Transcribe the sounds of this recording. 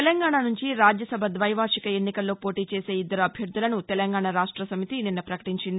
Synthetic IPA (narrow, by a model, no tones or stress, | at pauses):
lɐŋɡaːɳanuɲt͡ʃiɾaːd͡ʒjɐsɐbʱɐd̪ʋɐjʋaːɾʂikɐe̞nːikɐlːo̞ːpo̞ːʈiːt͡ʃe̞ːse̞ːid̪ːɐɾɐɐbʱjɐɾd̪ʱulɐnut̪ɛlɐŋɡaːɳaɾaːʂʈɾɐsɐmit̪ininːɐpɾɐkɐ̥ʈiɲt͡ʃind̪